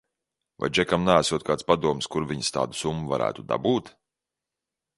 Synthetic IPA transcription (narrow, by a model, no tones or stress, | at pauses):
va̰jd͡ʒɛkamnaːsuɔt̪̚kaːt̪spad̪uɔmskuɾvʲiɲst̪a̰ːd̪usumːuvaɾæ̰ːt̪ud̪a̰buːt̪